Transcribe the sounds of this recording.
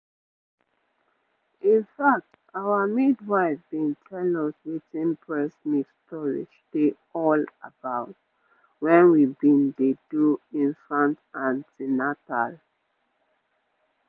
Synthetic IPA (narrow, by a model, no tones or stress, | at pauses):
ĩnfak̚t | awəmidwaɪfbĩntʰɛlɔswitĩnpʰɹɛsmikstʰɔɹḭd͡ʒd̥e | ɔlabaʊt̚ | wɛ̃nwibĩndeduĩnfɹãntãnsinatal